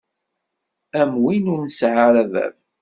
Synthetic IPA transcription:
æmwinuɾnəsʕaɾævæ̰v

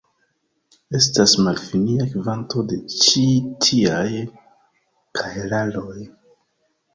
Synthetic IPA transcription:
e̞stasmalfiniakivanto̞de̞t͡ʃitʰiaj | kʰaelalo̞j

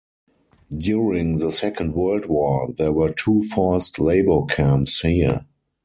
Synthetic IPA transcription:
djuɹɪ̃ŋðəsɛkə̃ndwɜ˞ldwɔðɛwəɜːtʰuːfastleɪbəkʰæ̃mpshiə

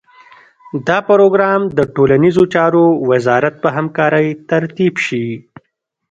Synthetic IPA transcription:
d̪ɑpaɾoɡɾɑmd̪əʈolanizot͡ʃɑɾowɪzɑɾat̪̚pəɦamkɑːɾəjt̪aɾt̪ibʃi

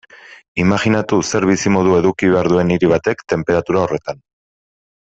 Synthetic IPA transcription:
imaʝinat̪use̞ɾβisimo̞ðue̞ðukiβe̞aɾðue̞niɾiβ̞at̪e̞kt̪e̞mpe̞ɾat̪uɾao̞re̞t̪an

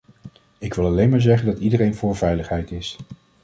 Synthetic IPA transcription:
ɪkʋɪlˠɑlejnmaːɹzɛχəndɑtidərejnvʊːɹvɛjləχɦɛjtɪs

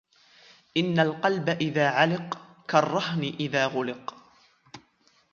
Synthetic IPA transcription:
ʔɪnːalqɑlbaʔɪðaːʕalɪqkarˤːɑɦnɪʔɪðaːɣʊlɪq

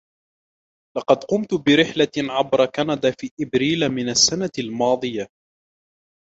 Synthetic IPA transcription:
lɑqɑd̪qʊmt̪bɪɾɪħlaʕabɾˤɑkanad̪afiːʔɪbɾiːlamɪnasːanalmɑːd̪ˤɨja

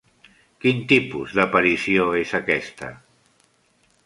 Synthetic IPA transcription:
kint̪ipuzðapaɾisioezakɛst̪ə̰

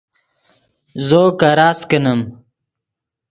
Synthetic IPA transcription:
zoːkaɾaːskənɐm

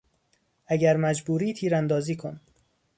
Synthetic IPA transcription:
ʔæɡæɾmæd͡ʒbuːɾiːt̪ʰiːɾænd̪ɒːziːkʰon

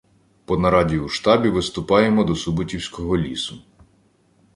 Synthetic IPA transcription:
pɔnɐɾɑdʲiuʃt̪ɑbʲiʋɪst̪ʊpɑjemɔd̪ɔsʊbʊtʲiwsʲkɔɦɔlʲisʊ

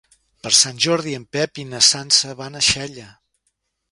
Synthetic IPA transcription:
pəɾsanʲʒɔɾðiəmpɛpinəsansəβanəʃɛʎə

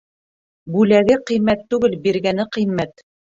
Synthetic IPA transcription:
bʉlæɡɘqɤ̆jmæt̪ːʉɡɘlbiɾɡænɘqɤ̆jmːæt̪

